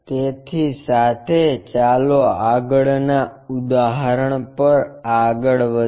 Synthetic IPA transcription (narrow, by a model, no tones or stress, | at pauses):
t̪et̪ʰisat̪ʰet͡ʃaloaɡəɭnaud̪aɦəɾəɳ̃pəɾaɡəɭʋə